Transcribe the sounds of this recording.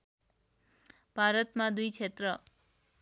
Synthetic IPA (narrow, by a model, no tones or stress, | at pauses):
b̥ʱaɾʌt̪mãd̪ujt͡ʃʰet̪ɾʌ